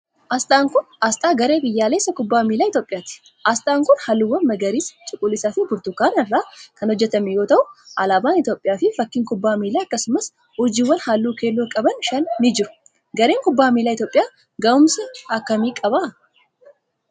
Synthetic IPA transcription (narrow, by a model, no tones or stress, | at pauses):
ʔɐst̪ʼaːŋkʊnɐst̪ʼaːɡɐɾe̞ːbɪjːaːleːsːɐkʊbːaːmiːlaːɪt̪joːpʼɪjaːt̪ɪ̥ | ʔɐst̪ʼaːŋkʊnhɐlːuwːɐnmɐɡɐɾiːst͡ʃʼʊkʼːʊlːɪsaːfɪbʊɾt̪ʊkːaːnɐrːaːkɐnhɔd͡ʒːɛt̪ɐmijo̞ːt̪ɐʔʊʔɐlaːbaːnɪt̪jo̞ːpʼːɪjaːfɪfɐkːɪŋkʊbːaːmiːlaːɐkːɐsʊmɐs | hʊd͡ʒɪːwːɐnhalːuːkʰe̞ːlːoːkʼɐbɐnʃɐnːɪd͡ʒɪɾʊ̥ | ɡɐɾe̞ːŋkʊbːaːmiːlaːɪt̪jo̞ːpʼɪjaː | ɡɐʊmsɐɐkːɐmiːkʼɐba